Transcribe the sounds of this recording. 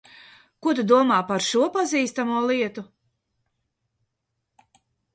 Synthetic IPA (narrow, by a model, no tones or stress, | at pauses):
kut̪̬ud̪uɔmaːpaɾʃuɔpaziːst̪amuɔlˠiɛt̪u